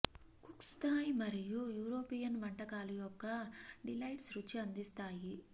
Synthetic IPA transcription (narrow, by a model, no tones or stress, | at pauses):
kukst̪aːjimɐɾijujuːɾo̞ːpijɐnʋɐɳʈɐkaːlujɔkːɐɖilɐjʈsɾut͡ʃːiɐnd̪ist̪aːji